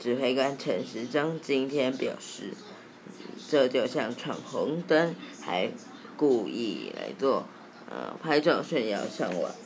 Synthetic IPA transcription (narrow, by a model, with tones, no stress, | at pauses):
ʈ͡ʂɻ̩˨˩xwe˥˩ɪka˥nʈ͡ʂʰə˧˥nʂɻ̩˧˥ʈ͡ʂɑ˥ŋt͡ɕi˥nt̪ʰjɛ˥npjɑ˨˩ʊʂɻ̩˥˩ | ʈ͡ʂɤ˥˧t͡ɕjo˥˧ʊɕjɑ˥˩ŋʈ͡ʂʰwɑ˥˩ŋxʊ˧˥ŋt̪ə˥nxa˧˥ɪ | ku˥˧ḭ˥˩la̰˧˥ɪt͡swɔ˥˩ | ə̰˧˩pʰa˥ɪʈ͡ʂɑ˥˩ʊɕɛ˥˧njɑ̰˥˧ʊʂjɑ˥˩ŋwɔ̰˨˩˦